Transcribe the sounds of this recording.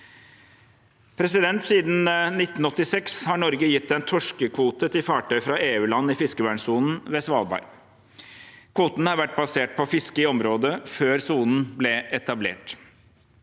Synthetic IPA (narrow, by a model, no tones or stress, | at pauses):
pʰɾɛs̬ɪd̪ɛnt̪siːd̪n̩nɪt̪ːn̩ɔt̪ːɪsɛkshɑɳɔɾɡəjɪt̪ːɛnt̪ʰɔʂkəkʰʋuːt̪ət̪ʰɪfɑːʈœʏfɾɑeːʉːlɑnːɪfɪskəʋæːɳsuːnn̩ʋeːsʋɑːlbɑ̰ːɾ | kʰʋuːt̪nhɑɾʋæʈ̚ːbɑseːʈ̚pʰɔfɪskəɪɔmɾoːd̪əføːɾsuːnn̩blɛʔɛt̪ɑblḛːʈ